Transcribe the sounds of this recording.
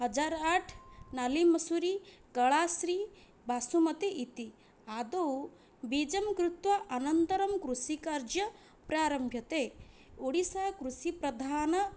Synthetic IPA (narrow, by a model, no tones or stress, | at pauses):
ɦɐd͡ʒaːɾaːʈʰnalimɐsuɾiɡɐɭaːsɾiː | baːsumɐt̪eʔit̪i | aːd̪ɐw | biːd͡ʒɐmkɾut̪ʋɐʔɐnɐnt̪ɐɾɐmkɾusikaːɾd͡ʒjɐ | pɾaːɾɐmbʱjɐt̪eː | oɽisaːkɾusipɾɐd̪ʱaːnɐ